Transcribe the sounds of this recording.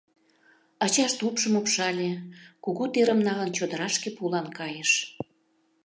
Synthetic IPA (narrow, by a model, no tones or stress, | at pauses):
ɑt͡ɕɑʃt̪upʃəmopʃɑlʲekuɣut̪eɾəmnɑlə̆nt͡ɕod̪ə̆ɾɑʃkepulɑnkɑjeʃ